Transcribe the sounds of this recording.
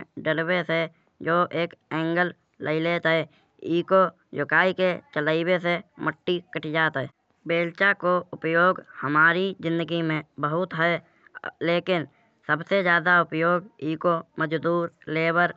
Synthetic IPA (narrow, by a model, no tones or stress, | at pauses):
ɖəlwese | d͡ʒoːʔeːkɛ̃ːŋɡəl | lʔə̰ileːt̪ɦɛ | iːko | jʊkaːiket͡ʃələɪweseməʈːikəʈʰid͡ʒaːt̪ɦɛː | beːlt͡ʃakoʊpjoːɡhəmaːɾizd͡ʒɪ̃nd̪əɡimẽbəɦʊt̪ɦɛ | leːkɪn | səbsed͡ʒjaːd̪aʊpjoːɡiːkoməd͡ʒd̪uːɾleːbəɾ